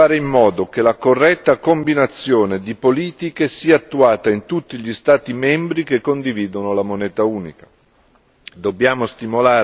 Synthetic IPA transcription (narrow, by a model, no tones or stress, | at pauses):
aːɾeimːɔːd̪ok̟elakorːɛt̪ːakombinat̪sːjoːned̪ipoliːt̪ikesiːaːt̪ːuaːt̪aint̪ut̪ːiʎist̪aːt̪imɛmbɾikekːond̪iviːd̪onolamonɛːt̪auːnḭkḁ | d̪obːjaːmost̪imolaː